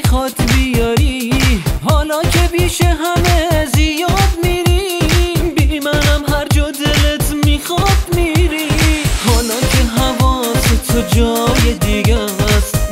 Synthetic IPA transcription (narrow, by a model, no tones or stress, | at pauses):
xɒːt̪bijɒːɾi | hɒːlɒːkʰebiːʃeɦæmezijɒːd̪miːɾi | bimænæmɦæɾd͡ʒɔːd̪elet̪ʰmiːxɔd̪miɾihɒːlɒːkʰeɦavɒːset̪ʰod͡ʒɒːjed̪iɡæst̪